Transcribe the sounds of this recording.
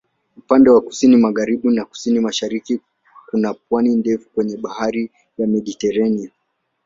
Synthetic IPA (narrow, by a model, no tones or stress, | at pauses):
upandɛwaku̥sinimaɣaɾiɓunaku̥sinimaʃaɾiki | unap̚wanindɛfukwɛɲɛɓahaɾi | jamɛɗitɛɾania